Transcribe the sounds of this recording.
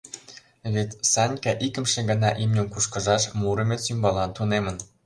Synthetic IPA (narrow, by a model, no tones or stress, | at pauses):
βet̪sɑnʲkɑʔikə̆mʃĕɡə̆nɑʔimnʲomkuʃkə̆ʒɑʃmuɾəmesymbɑlɑnt̪unemə̆n